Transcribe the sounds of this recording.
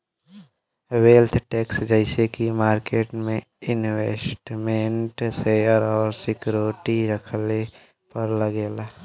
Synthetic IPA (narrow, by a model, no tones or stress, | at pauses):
weːlt̪ʰʈeːksd͡ʒəɪsekimaːɾkeːʈmẽ | ɪnweːsʈmeɳʈseəɾɔːɾsɪkɾoːʈiɾəkʰle | pəɾləɡeːlaː